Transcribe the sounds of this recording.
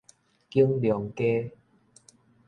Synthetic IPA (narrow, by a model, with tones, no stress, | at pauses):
ki˦əŋljɔ˨˦ŋke˦